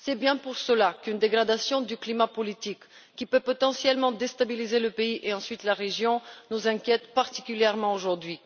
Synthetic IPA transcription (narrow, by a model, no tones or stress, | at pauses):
sɛbjɛ̃puʁsəlakynd̪eɡʁad̪asjɔ̃d̪yklimapɔlit̪ikː | ipøpɔt̪ɑ̃sjɛlmɑ̃d̪est̪abilizeləpeiʔeɑ̃sɥit̪laʁeʒjɔ̃nuzɛ̃kʲjɛt̪paʁt̪i̥kʲyljɛʁmɑ̃oʒuʁd̪ɥi